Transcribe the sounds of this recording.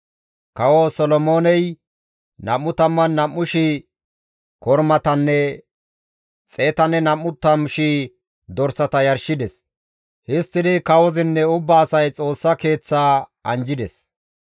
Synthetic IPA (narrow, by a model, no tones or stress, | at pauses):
kɐwosɔlɔmo̞ːnɛj | nɐmːʊt̪ɐmːɐnːɐmːʊʃi | kɔɾmɐt̪ɐnːɛ | t͡sʼe̞ːt̪ɐnːɛnɐmːʊt̪ːɐmʊʃi | d̪ɔɾsɐt̪ɐjɐɾʃɪd̪ɛs | hɪst̪ːɪd̪ɪkɐwɔzɪnːɛʊbːaːsɐjt͡sʼo̞ːsːɐke̞ːt͡sːaːɐ̰nd͡ʒɪd̪ɛs